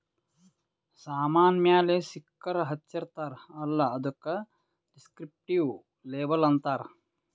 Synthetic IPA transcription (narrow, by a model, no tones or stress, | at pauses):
saːmaːnjaːleːsikːɐɾɐɦɐtːt͡ʃɐɾt̪aːɾɐlːɐɐd̪ɐkːɐ | ɖiskɾip̚ʈiw | leːbɐlɐnt̪aːɾ